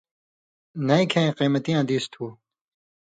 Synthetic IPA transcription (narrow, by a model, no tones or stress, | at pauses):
nɐjkʰẽqiːmɐt̪ijãːd̪iːst̪ʰuː